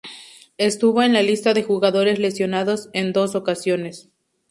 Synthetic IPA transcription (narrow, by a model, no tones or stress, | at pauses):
e̞st̪uβo̞e̞nlalist̪aðe̞xuɣaðo̞ɾe̞zle̞sjo̞naðo̞se̞nd̪o̞so̞kasjo̞ne̞s